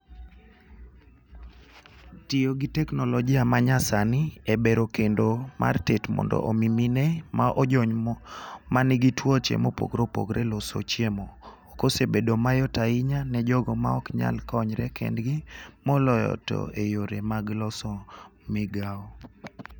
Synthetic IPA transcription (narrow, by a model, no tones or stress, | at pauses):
tijoɡitɛknɔlɔɡiamaɲasanɪebeɾokendoma̰rtetmɔ̰ndɔ̰ʔomiminɛmaʔɔd͡ʒɔɲ | manɪɡitwɔt͡ʃḛmopo̰ɡɾopo̰ɡɾɛlɔso̰t͡ʃjemoː | kosebedomajɔtaɪɲanɛd͡ʒɔɡɔmaɔkɲa̰lkɔɲɾɛkɛ̰ndɡɪmɔlɔjɔ̰tɔ̰ejoɾemaɡlɔsɔmɪɡaɔ